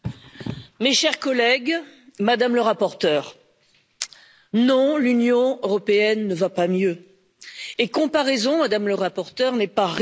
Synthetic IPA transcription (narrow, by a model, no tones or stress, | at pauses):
meʃɛʁkɔlɛɡmad̪amləʁapɔʁt̪œːʁ | nɔ̃lynjɔ̃øʁɔpeɛnːəvapamjø | ekɔ̃paʁɛzɔ̃mad̪amləʁapɔʁt̪œʁnɛpaʁ